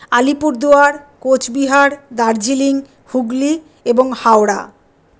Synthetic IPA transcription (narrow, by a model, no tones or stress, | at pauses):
alipuɾd̪oaɾkot͡ɕbiɦaɾd̪aɾd͡ʑiliŋ | huɡli | eboŋhawɾa̰